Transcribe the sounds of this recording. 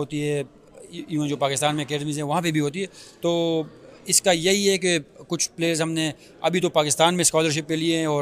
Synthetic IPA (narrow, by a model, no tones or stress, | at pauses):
ɦoːt̪iɦɛː | jũd͡ʒoːpaːkɪst̪aːnmẽːkeːɖmizɦɛ̃ʋɐɦãpebʱiɦoːt̪iɦɛːt̪oːɪskajɐɦiɦɛk̬ekʊt͡ʃʰpleːəɾzɦɐmne | ɐbʱit̪opaːkɪst̪aːnmẽskɔːləɾʃ̬ɪpːelieɦɛ̃ɔːɾ